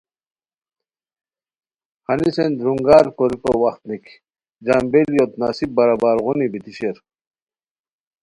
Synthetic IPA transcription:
hanisend̪ɾuŋɡaɾkoɾikowaχt̪nik | d͡ʑambeljot̪nasib̚bɐɾabaːɾʁunibit̪iɕeɾ

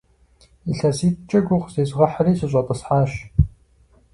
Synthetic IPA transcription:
iɬɐsiːtt͡ʃʼɐɡʷʊqʷzeːzʁɐħəriːsɨɕʼɐtʼɐsħaːʃ

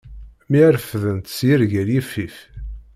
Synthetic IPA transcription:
miɾfðənt̪sjiɾʝæɾjifːif

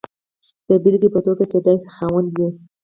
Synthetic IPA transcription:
d̪̥əbɪlɡipət̪oɡaked̪ɑjse̥xawand̪wi

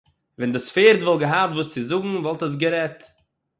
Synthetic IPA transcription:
vɛndɪsfeːɾtvɔlˠɡəɦap̚tvuːst͡sɪzʊɡŋ̩vɔlˠtəs̬ɡəɾɛt

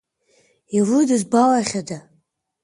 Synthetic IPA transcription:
irɨdɨzbawaχʲada

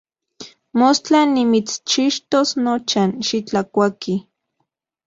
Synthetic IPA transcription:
most͡ɬanːimit͡st͡ʃiʃt̪osnot͡ʃanʃit͡ɬakʷaki

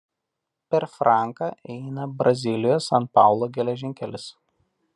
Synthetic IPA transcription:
pʲɛɾfɾʔɑˑŋkɑʔɛɪnɐbɾɐzʲɪlʲɪjosɐnpɑˑʊlˠoːɡʲɛlʲɛʒʲɪŋʲkʲɛlʲɪs

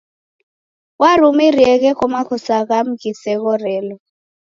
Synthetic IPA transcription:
waɾumiriɛk̬ɛkɔmakʰɔsak̬am̩kisɛk̬ɔrɛːlɔ

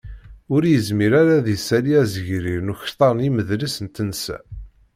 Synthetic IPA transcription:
ʊɾjəzmiɾaɾæðisæliæzəʝɾiɾnuçt̪ˤːɑɾˤniməðlisənt̪ənsæ̰

